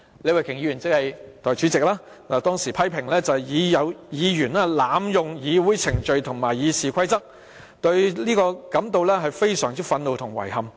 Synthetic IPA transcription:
le˨˧jwɐ˨jkʰɪ˨˩ŋjiː˨˧yː˨˩nt͡sɪ˧˥khɐ˨jt̪ɔː˨jt͡ʃyː˨˥t͡sɪ˨k̚laː˥ | aː˨˩t̪ɔː˥ŋsiː˨˩pʰɐ˥jpʰɪ˨˩ŋlɛː˥t͡sɐ˨jiː˨˧jɐ˨˧wjiː˨˧jyː˨˩naː˧˥laː˨mjʊ˨ŋjiː˨˧wuː˨˥jt͡sʰɪ˨˩ŋt͡ʃɵ˨ɥt̪ʰʊ˨˩ŋmaː˨˩jjiː˨˧siː˨kʰɐ˥jt͡sɐ˥k̚ | t̪ɵ˧ɥliː˥kɔː˧kɐ˨˥mt̪o˨wlɛː˥ɦɐ˨jfe˥jsœː˨˩ŋt͡siː˥fɐ˧nlo˨˧wt̪ʰʊ˨˩ŋwɐ̰˨˩jhɐ˨˩m

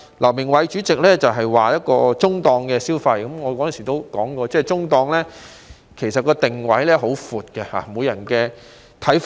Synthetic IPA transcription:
lɐ˨˩wmɪ˨˩ŋwɐ˨˧jt͡ʃyː˨˥t͡sɪ˨k̚lɛː˥t͡sɐ˨wɦɐ˨jwaː˨˩jɐ˥t̚kɔː˧t͡sʊ˥ŋt̪ɔː˧ŋkɛː˧siː˥wfɐ˧jkɐ˨˥mŋɔː˨˧kɔː˨˥jɐ˨nsiː˨˩t̪o˥wkɔː˨˥ŋkɔː˧t͡sɛː˥˩t͡sʊ˥ŋt̪ɔː˧ŋlɛː˥ | kʰe˨˩jsɐ˨t̚kɔː˧t̪ɪ˨ŋwɐ˨˥jlɛː˥ɦo˨˥wfuː˨t̚kɛ˧ha̰ː˨mo˨˧jɐ˨˩nkɛː˧ | t̪ʰɐ˨˥jf

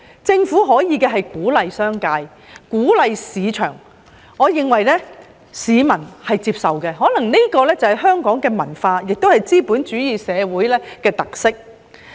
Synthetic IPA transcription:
t͡sɪ˧ŋfuː˨˥ɦɔː˨˥jiː˨˧kɛː˧ɦɐ˨jkuː˨˥lɐ˨jsœː˥ŋkaː˧j | kuː˨˥lɐ˨jsiː˨˧t͡ʃʰœ̰ː˨˩ŋ | ɔː˨˧jɪ˨˧ŋwɐ˨jlɛː˥ | siː˨˧mɐ˨˩nhɐ˨jt͡siː˧p̚sɐ˨wkɛː˧ɦɔː˨˥nɐ˨˩ŋne˥kɔː˧lɛː˥t͡sɐ˨˩hɐ˨jɦœː˥ŋkɔː˨˥ŋkɛː˧mɐ˨˩nfaː˧jɪ˨k̚t̪o˥whɐ˨jt͡siː˥puː˨˥nt͡ʃyː˨˥jiː˨˧sɛː˨˧wuː˨˥jlɛː˥kɛː˧t̪ɐ˨k̚sɪ˥k̚

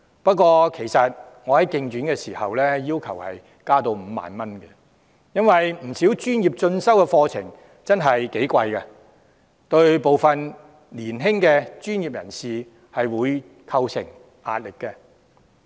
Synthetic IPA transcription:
pɐ˥t̚kʷɔː˧kʰe˨˩jsɐ˨t̚ | ŋɔ˨˧hɐ˨˥jkɪ˧ŋt͡ʃyː˨˥nkɛː˧siː˨˩hɐ˨wlɛː˥jiː˥wkʰɐ˨˩whɐ̰˨j | kaː˥t̪o˧wm̩ː˨˧˦ma̰ː˨nmɐ˥nɡɛ˧ | jɐ˥nwɐ˨jm̩˨˩si˨˥wt͡ʃyː˥njiː˨˩p̚t͡ʃɵ˧nsɐ˥wkɛ˧fɔː˧t͡sʰɪ̰˨˩ŋ | t͡sɐ˥nɦɐ˨jke˨˥jkʷɐ˧jkɛ˧ | t̪ɵ˧ɥpo˨wfɐ˨n | liː˨˩nɦɪ˥ŋkɛː˧t͡ʃyː˥njiː˨p̚jɐ̰˨˩nsiː˨ | hɐ˨jwuː˨˧j | kʰɐ˧wsʰɪ̰˨˩ŋ | a̰ː˨t̚lɪ˨kːɛ˧

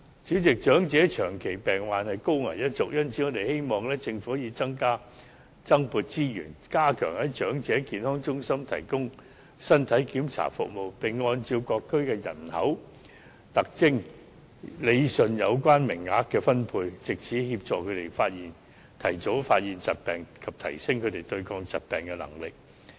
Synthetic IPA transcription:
t͡syː˨˥t͡sɪ˨k̚t͡ʃœː˨˥ŋt͡sɛː˨˥t͡ʃʰœː˨˩ŋkʰe˨˩jpɛː˨ŋwaː˨nhɐ˨jko˥wŋa̰˨˩jjɐ˥t̚t͡sʊ˨k̚jɐ˥nt͡sʰi˨˥ŋɔ˨˧d̪e˨jhe˥jmɔː˨˩ŋlɛː˥t͡sɪ˧ŋfuː˨˧˥jiː˨˧t͡sɐ˥ŋkaː˥ | t͡sɐ˥ŋpuː˧t̚t͡siː˥jy̰ː˨˩nkaː˥kʰœ̰ː˨˩ŋhɐ˨˥jt͡ʃœː˨˥ŋt͡sɛː˨˥kiː˨nhɔː˥ŋt͡sʊ˥ŋsɐ˥mt̪ʰɐ̰˨˩jkʊ˥ŋ | sɐ˥nt̪ʰɐ˨˥jkiː˨˥mt͡sʰa̰ː˨˩fʊ̰˨k̚mo˨wpɪ˨˩ŋːɔː˧nt͡si˧wkɔː˧kʰːɵ˥ɥkɛː˧jɐ̰˨˩nhɐ˨˥w | t̪ɐ˨k̚t͡sɪ˥ŋ | le˨˧jsɵ˨njɐ˨˧wkʷaː˥nmɪ˨˩ŋːaː˨˥k̚kːɛː˧fɐ˥npʰuː˧jt͡sɪ˨k̚t͡sʰiː˨˥hiː˧p̚t͡ʃɔː˨˧kʰɵ˨˧ɥt̪e˨˩jfaː˧t̚jiː˨˩n | t̪ʰɐ˨˩jt͡so˨˧˥wfaː˧t̚jiː˨nt͡sɐ˨˩t̚pɛː˨ŋkʰɐ˨p̚t̪ʰɐ̰˨˩jsɪ˥ŋkʰɵ˧ɥt̪e˨jt̪ɵ˧ɥkʰɔː˧ŋt͡sɐ˨t̚pɛː˨ŋkɛ˧lɐ̰˨˩ŋlɪ˨k̚

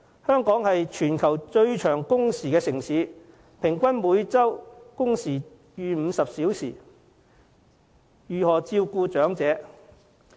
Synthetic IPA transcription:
hœː˥ŋkɔː˨˥ŋhɐ˨jt͡ʃʰyː˨˩nkʰɐ˨˩wt͡ʃɵ˧ɥt͡ʃʰœː˨˩ŋkʊ˥ŋsiː˨˩kɛː˧sɪ˨˩ŋsiː˨˧˥ | pʰɪ˨˩ŋkʷɐ˥nmuː˨˧˥jt͡sɐ˥wkʊ˥ŋsiː˨˩ | jyː˨˧m̩ː˨˧sɐ˨p̚siː˨˥wsiː˨˩ | jyː˨hɔː˨˩t͡siː˧wkuː˧t͡ʃœː˨˥ŋt͡sɛː˨˥

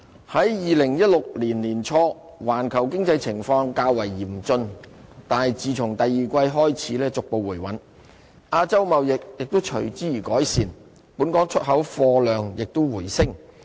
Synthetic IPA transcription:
hɐ˨˥jjiː˨lɪ˨˩ŋjɐ˥t̚lʊ˨k̚liː˨˩nliː˨˩nt͡ʃʰɔː˧˥ | waː˨˩nkʰɐ˨˩wkɪ˥ŋt͡sɐ˧jt͡sʰɪ˨˩ŋfɔː˧ŋkaː˧wɐ˨˩jːiː˨˩m̩˨t͡sɵ˧nt̪aː˨˧nhɐ˨jt͡siː˨˧t͡sʰʊ˨˩ŋt̪ɐ˨jːiː˨kʷɐ˧jɦɔː˥jt͡sʰiː˨˥lɛː˥t͡sʊ˨k̚po˨wːuː˨˩jwɐ˨˥n | ʔaː˧t͡sɐ˥wmɐ˨wjɪ˨k̚jɪ˨k̚t̪ʊ˥wt͡ʃʰɵ˨˩ɥt͡siː˨˥jiː˨˩kɔː˨˥jsiː˨n | puː˨˥nkɔː˨˥ŋt͡ʃʰɵ˥t̚ɦɐ˨˥wfɔː˧lœː˨ŋjɪ˨k̚t̪ʊ˥wwuː˨˩jsɪ˥ŋ

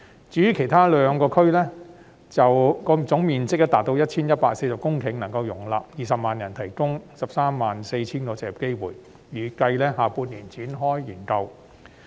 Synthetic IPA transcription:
t͡sy˨˥jyː˧˥kʰe˨˩jt̪ʰaː˥lœː˨˧ŋkɔː˧kʰɵ˥ɥlɛː˥ | t͡sɐ˨wkɔː˧t͡sʊ˨˥ŋmiː˨nt͡sɪ˥k̚ːɛ˥t̪aː˨t̪̚o˧wjɐ˥t̚t͡sʰiː˥njɐ˥t̚paː˧k̚se˧jsɐ˨p̚kʊ˥ŋkʰɪ˨˩ŋnɐ˨˩ŋkɐ˧wjʊ˨˩ŋlaː˨p̚jiː˨sɐ˨p̚maː˨njɐ˨˩nt̪ʰɐ˨˩jkʊ˥ŋsɐ˨p̚saː˥mːaː˨nse˧jt͡sʰiː˥nt̪ɔː˨˥t͡sɛː˨˩p̚ke˥jwuː˨˩jː | yː˨˩kɐ˧jlɛː˥ɦaː˨˩puː˧nniː˨˩nt͡sʰiː˨˥nɦɔː˥jːiː˨˩nkɐ˧w

